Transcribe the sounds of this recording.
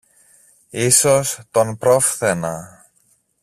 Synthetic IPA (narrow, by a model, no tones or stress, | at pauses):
iso̞st̪o̞npɾo̞fθe̞nɐ